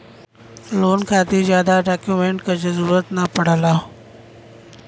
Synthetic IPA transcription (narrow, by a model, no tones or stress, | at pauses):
loːnkʰaːt̪izjaːd̪aɖaːkjuːmẽːɳʈkɐd͡ʑʱʊzəɾuːɾət̪nɐpɐɽ̤əlaː